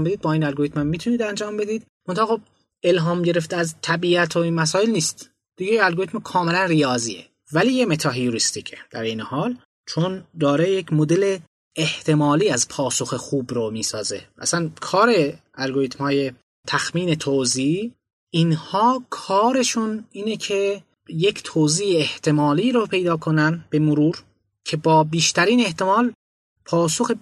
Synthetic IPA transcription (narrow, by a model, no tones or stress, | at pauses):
mbed̪id̪bɒːiːnælɡo̞ɾit̪mhæmːiːt̪ʰuniːd̪ænd͡ʒɒːmbe̞d̪iːd̪ | mont̪ʰɑhːxob̚ | e̞lɦɒːmɟe̞ɾeft̪eæzt̪ʰæbiːæt̪ʰoinmæs̬ɒːjelniːst̪ | d̪̥iɡɟeinælɡoɾit̪mkʰɒːme̞lænrijɒːziːḛ | væliːjemet̪ʰɒːɦijuɾist̪icʰed̪̥æɾejnehɒːl | t͡ʃʰond̪ɒːɾejecʰmod̪e̞le | eht̪ʰe̞mɒːliːæzpʰɒːso̞xexuːbɾomiːsɒːze̞̰ʔæ̰sænkʰɒːɾe̞ | ælɡoɾiːt̪mhɒːje̞ | t̪ʰæxmiːne̞t̪ʰoːzi | inhɒːkʰɒːɾe̞ʃuniːnecʰe̞ | jecʰt̪ʰoːziːeeht̪ʰe̞mɒːliːɾopʰe̞jd̪ɒːkʰo̞nænbe̞moɾuːɾ | cʰe̞bɒːbiːʃt̪æɾiːne̞ht̪e̞mɒːl | pʰɒːsoxe